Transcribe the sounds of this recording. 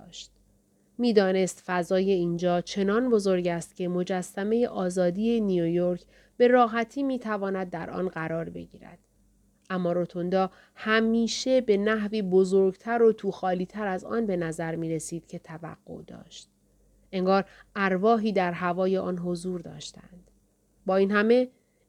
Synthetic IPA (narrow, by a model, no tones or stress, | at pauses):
ʃt̪ | miːd̪ɒːne̞st̪fæzɒːje̞ind͡ʒɒːt͡ʃʰe̞nɒːnbo̞zo̞ɾɟæːst̪cʲʰe̞mo̞d͡ʒæsːæme̞je̞ʔɒːzɒːd̪iːe̞nijojoɾcʰ | b̥e̞ɾɒːɦæt̪ʰiːmiːt̪ʰævɒːnæd̪̚ːæɾʔɒ̰ːnɢæɾɒːɾbe̞̰ɟḭːɾæ̰d̪̥ | ʔæmːɒːɾo̞t̪ʰond̪ɒː | hæmiːʃe̞be̞næɦviːbo̞zoɾɡt̪ʰæɾo̞t̪ʰuːxɒːliːt̪ʰæɾæzɒ̰ːnbenæzæɾmiːɾe̞siːd̪̥cʰe̞t̪ʰævæ̰ɡ̥ːo̞̰ʔd̪ɒ̰ːʃt̪̚ | ʔe̞ŋɡɒːɾæɾvɒːɦiːd̪æɾɦævɒːje̞ʔɒːnɦo̞zuːɾd̪ɒ̰ːʃt̪æ̰nd̪̥ | bɒːiːnɦæme̞